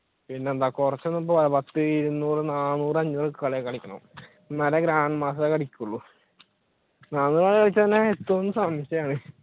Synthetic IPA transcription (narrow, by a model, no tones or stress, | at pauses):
pinːe̞ːnd̪aːkurɐt͡ɕːonːɐp̬ːopɐlɐpɐt̪ːɨiɾunːuːrɨnaːnuːrɐɲːuːrɨkːɨkɐɭejkːɐɭikʲːɐɳɐ̰ | nɐlɐɡɾaːɳɖmaːsɐt̪ːekɐɽikʲːuɭːu | naːnuːrkɐɭekɐɭit͡ɕːɐt̪inːeet̪ːɐʋonːusaːmɐɕjɐjaːɳɨ